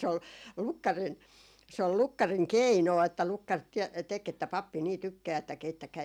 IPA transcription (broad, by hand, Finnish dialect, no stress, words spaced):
se ol lukːɑrin se ol lukːɑriŋ keinoˑ etːæ lukːɑr tiɛ tek etːæ pɑpːi niː tykːæː etːæ keitːækæi